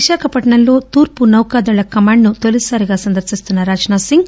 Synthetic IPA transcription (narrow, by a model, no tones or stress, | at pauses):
iʃaːkʰɐpɐʈɐɳɐnlo̞ːt̪uːɾpunɐwkaːd̪ulɐkɐmaːɳɖnut̪olisaːɾiɡaːsɐnd̪ɐɾsist̪unːɐɾaːd͡ʒnaːsiŋɡ